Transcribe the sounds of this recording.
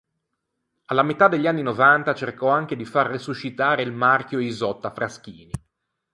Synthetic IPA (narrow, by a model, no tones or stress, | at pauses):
alːamet̪ad̪eʎːanːinovant̪at͡ʃerkɔaŋk̟ed̪ifarːisuʃːit̪aːɾeilmark̟joizɔt̪ːafɾaskiːni